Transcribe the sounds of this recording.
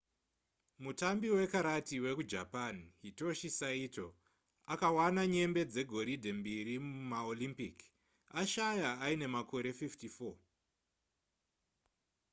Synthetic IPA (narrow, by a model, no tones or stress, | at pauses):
mutambiwe̞kaɾatiwe̞kud͡ʒa̰panɦito̞ʃisaito̞̰ | akawanaɲe̞mbe̞d͡ze̞ɡʱo̞ɾidʱe̞mbiɾimumaolimpik | aʃajaːine̞mako̞ɾe̞fiftifo̞